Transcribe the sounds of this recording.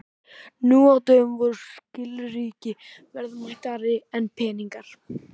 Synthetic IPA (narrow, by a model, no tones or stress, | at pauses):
nuːawt̪œʏmvɔɾʏscɪlɾiːcɪ | vɛɾðmaht̪aɾɪɛnpʰɛːniŋkaɾ̥